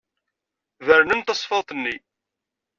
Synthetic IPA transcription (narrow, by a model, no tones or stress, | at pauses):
vəɾnənt̪ɑsˤfəðˤt̪ˤənːi